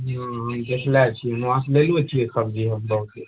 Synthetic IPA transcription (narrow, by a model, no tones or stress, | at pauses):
ɦãɦəmd̪ekʰlat͡ʃʰinãslelet͡ʃʰiesəbd͡ʒiɦəmbəɦut̪e